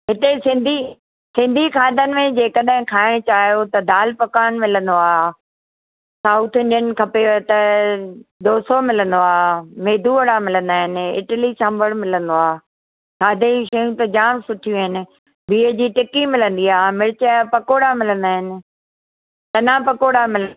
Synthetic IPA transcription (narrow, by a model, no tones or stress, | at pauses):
ɦɪt̪esɪ̃nd̪ʱi | sɪ̃nd̪ʱikʰaːd̪ənɪ̆mẽd͡ʑeːkɐɗɦɪ̃kʰaːɪɽ̃t͡ɕaːɦijot̪ɐd̪aːlpɐkaːnmɪlə̃nd̪oaː | saːut̪ʰeɪnɪ̆kʰɐpet̪ɐ | d̪oːsomɪlə̃nd̪oaːmeːd̪ʱuɐɽamɪlə̃nd̪aːɦɪnɪ̆ɪ̰ʈəlit͡ɕʰãmbəɽmɪlə̃nd̪oaː | kʰaːd̪ʱẽʃɐjũt̪ɐd͡ʑaːmsʊʈʰijũɦɪnɪ̆ | biːəd͡ʑiːʈɪkimɪlə̃nd̪iaːmɪɾɪt͡ɕpɐkoːɽamɪlə̃nd̪aːɦɪnɪ̆ | t̪ɐnãpɐkoːɽamɪlə